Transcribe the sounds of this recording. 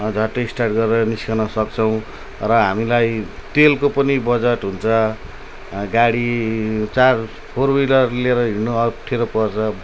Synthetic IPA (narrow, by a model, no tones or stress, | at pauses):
d͡zʱʌʈːeisʈarʈ̚ɡʌɾeʌniskanʌsʌkt͡sʰʌw̃ | rʌɦamilajt̪elkopʌnibʌd͡zaʈɦunt͡sʰʌ | ɡaɽit͡sar | pʰorwilʌrleɾʌɦinoʌʈʰːeɾʌpʌrt͡sʰʌ